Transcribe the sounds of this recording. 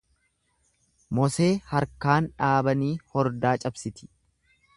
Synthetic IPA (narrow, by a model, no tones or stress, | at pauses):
mɔse̞ːhɐɾkaːnᶑaːbɐniːhɔɾd̪aːt͡ʃʼɐbsɪt̪ɪ̥